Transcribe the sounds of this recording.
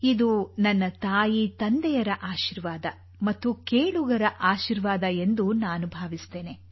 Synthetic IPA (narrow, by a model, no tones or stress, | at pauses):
id̪unɐnːɐt̪aːjit̪ɐnd̪ɛjɐɾɐʔaːʃiɾʋaːd̪ɐ | mɐt̪ːukeːɭuɡɐɾɐʔaːʃiɾʋaːd̪ɐe̞nd̪unaːnubʱaːʋist̪e̞ːne